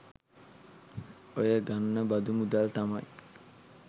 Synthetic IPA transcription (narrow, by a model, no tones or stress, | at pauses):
ojaɡanːəbad̪umud̪alt̪amaɲ